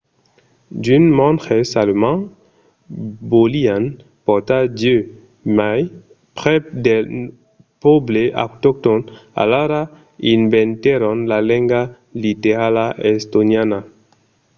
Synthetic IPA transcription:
dynmɔ̃ntχesalomã | bolian | pɔʁt̪adjø | maj | pʁɛde | pobleʔa̰kt̪ɔk̚t̪ɔna̰laɾa | invɛ̃nt̪ɛɾɔ̃nlalɛ̃ŋɡa | liteʁalaʔɛst̪onjana

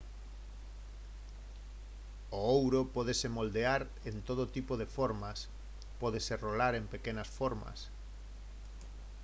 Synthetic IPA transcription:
oowɾopɔðesemold̪eaɾ | ent̪oð̞ot̪ipoðefoɾmas | pɔðeserolaɾempekenasfoɾma̰s

